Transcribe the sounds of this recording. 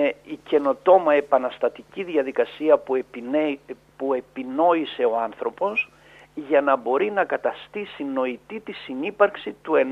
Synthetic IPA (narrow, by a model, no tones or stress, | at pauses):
eice̞no̞t̪o̞mɐe̞pɐnɐst̪ɐt̪iciðʝɐðikɐsiɐp | pue̞pino̞ise̞o̞ɐnθɾo̞po̞s | ʝɐnɐbo̞ɾinɐkɐt̪ɐst̪isino̞it̪it̪isinipɐɾksit̪ue̞n